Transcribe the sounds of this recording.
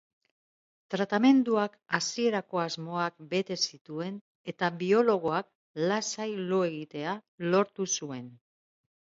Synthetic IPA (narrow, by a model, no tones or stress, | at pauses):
t̪ɾat̪ame̞nd̪uakasie̞ɾako̞azmo̞ak̚be̞t̪e̞sit̪ue̞n | e̞t̪aβio̞lo̞ɣ̞o̞ak̚ | lasajloe̞ɣ̞it̪e̞alo̞ɾt̪usue̞n